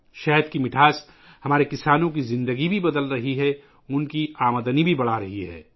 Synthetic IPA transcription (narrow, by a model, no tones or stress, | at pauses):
ʃɛɦd̪kimɪʈʰaːs | hɐmaːɾekɪsaːnõk̬izɪ̃nd̪əɡibʱibɐd̪əlɾɐɦiɦɛ | ʊnkiaːməd̪ənibʱibɐɽ̤aɾɐɦiɦɛ̰ː